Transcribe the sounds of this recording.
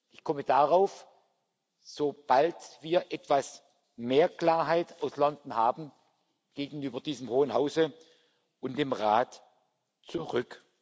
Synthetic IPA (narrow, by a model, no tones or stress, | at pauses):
ʔɪçkʰɔmədaʁaʊf | z̥ob̥altv̥iːɐʔɛtv̥as | meːɐkl̥aːɐɦaɪtaʊslɔndn̩haːbn̩ | ɡ̥eːɡŋ̩yːbɐdiːzəmhoːənɦaʊzə | ʊntd̥eːmʁaːt | t͡suʁʏk